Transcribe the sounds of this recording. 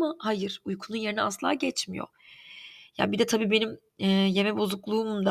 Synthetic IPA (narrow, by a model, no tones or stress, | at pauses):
mahajɯɾ̥ujkʰununje̞ɾinɛa̰sɯlˠa̰ːɟɛt͡ʃmijo̰ | ja̰nbid̪ɛt̪ʰabiːbe̞nim | ɛːje̞mɛbo̞zuklˠuːmd̪a